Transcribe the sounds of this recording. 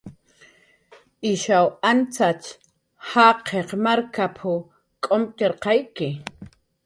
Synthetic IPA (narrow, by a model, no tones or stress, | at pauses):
ɪʃawant͡sat͡ʃ | hɑqʰeqmaɾkapʰʊ | kʼomt̪eɾqɑjkɪ